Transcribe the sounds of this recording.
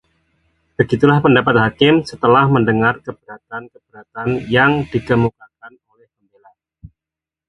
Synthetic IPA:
b̥əɡit̪ulahpəndapat̪̚ɦakɪmsət̪əlahməndəŋarkəb̥əɾat̪̚ankəb̥əɾat̪anjaŋd̥iɡəmukakanolɛhpəmbela

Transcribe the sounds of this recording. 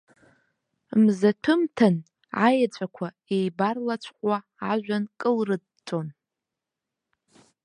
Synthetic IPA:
mzatʰɨmtʰan | ajat͡ɕʷʰʼakʷʰa | ejbarlat͡ɕʷʰqʷʼa | aʒᶣʷankʼɨlrɨd | t͡sʼon

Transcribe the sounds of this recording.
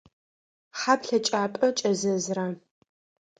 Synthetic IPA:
ħaːpɬɐt͡ʃʼaːpʼɐt͡ʃʼɐzɐzraː

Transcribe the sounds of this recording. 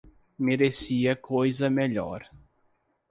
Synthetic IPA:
meɾesiɐkʰojzɐmeʎɔ̰ɾ

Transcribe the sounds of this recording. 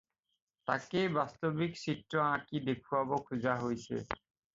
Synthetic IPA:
t̪akejbast̪obiksiʈɾɔãkid̪ekʰuabɔkʰud͡ʑaɦojsʰḛ

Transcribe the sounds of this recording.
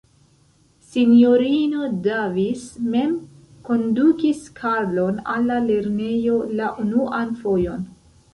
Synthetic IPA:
sinjoɾino̞davisme̞m | ko̞ndukiskʰaɾlo̞nalːale̞ɾne̞jo̞laʔunuʔanfo̞jo̞n

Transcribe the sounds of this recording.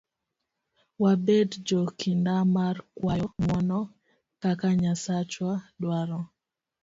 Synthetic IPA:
wabɛdd͡ʒɔkindamarkwajɔmwɔnɔ | kakaɲasat͡ʃwadwaɾɔ

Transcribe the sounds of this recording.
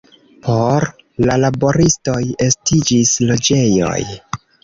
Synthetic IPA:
pʰo̞ɾ | lalabo̞ɾisto̞je̞stid͡ʒislo̞d͡ʒe̞jo̞̰j

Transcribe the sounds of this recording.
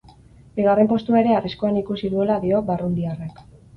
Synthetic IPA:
biɣ̞are̞mpo̞st̪uaeɾe̞ariskoanikusiðue̞laðio̞βarund̪iarek

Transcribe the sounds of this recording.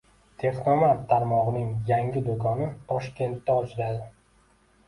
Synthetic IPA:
t̪ʰe̞χnomant̪t̪ʰːaɾmɒʁɨnɪŋjaŋʲɪd̪ʊkʰɒnɪt̪ʰɒʃkʲe̞nt̪ːaɒt͡ʃʰɪɾad̪ɪ

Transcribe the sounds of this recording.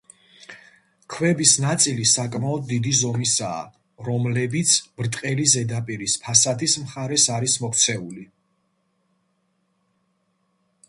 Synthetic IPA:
kʰwɛbisnat̪sʼilisakʼmaɔd̪̚ːid̪izɔmisa̰ː | ɾɔmlɛbit̪sʰbɾt̪ʼqʼɛlizɛd̪apʼiɾispʰasad̪ismχaɾɛsaɾismɔkʰt̪sʰɛuli

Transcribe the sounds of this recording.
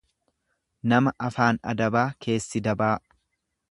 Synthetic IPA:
nɐmɐʔɐfaːnɐ̰d̪ɐbaːkʰe̞ːsːɪd̪ɐbaː

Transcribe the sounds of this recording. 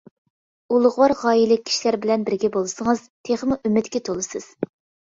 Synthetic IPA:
ulˠʊʁwɑɾʁɑːjilɪk̚ʲʰːi̥ʃilæɾbɪlɛnbɪɾɡʲɛbolˠɨsəŋɨz̥t̪ʰeχmuʔymːɪt̪kʲɛt̪ʰolˠɨsɨz̥

